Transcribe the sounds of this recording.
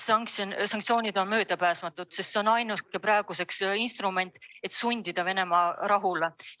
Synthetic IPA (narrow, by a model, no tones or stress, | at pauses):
sɑŋkssɑŋktsio̞ːnʲid̪̥o̞nmøːd̪̥ɑpæːsmɑt̪ːˑud̪̥sest̪ːseonɑjnuskepɾɑeɡ̥use̞ksinst̪rume̞nʲt̪ːˑe̞t̪sunʲd̪̥id̪̥ɑve̞ne̞mɑɾɑɦule